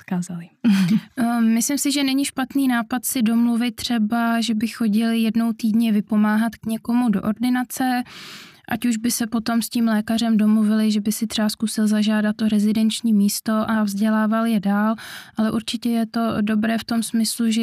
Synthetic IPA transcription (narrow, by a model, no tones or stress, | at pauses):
t̪kaːzalɪ | mɪslɪmsɪʒɛnɛɲɪʃpat̪niːnaːpat̪sɪdo̞mluvɪt̪̚tːr̝̥ɛbaʒɛbɪxo̞ɟɪlɪjɛdno̞wt̪iːdɲɛvɪpo̞maːɦat̪kɲɛko̞mudo̞ʔo̞ɾdɪnat͡sɛ | ʔa̰cuʒbɪsɛpo̞t̪o̞msciːmlɛːkar̝ɛmdo̞mluvɪlɪʒɛbɪsɪt̪r̥ɛbaskusɪlzaʒaːdat̪ʔo̞ɾɛzɪdɛnt͡ʃɲiːmiːst̪o̞ʔavzɟɛlaːvaljɛdaːlʔalɛʔuɾt͡ʃɪcɛjɛt̪o̞do̞bɾɛːft̪o̞msmɪsluʒɛ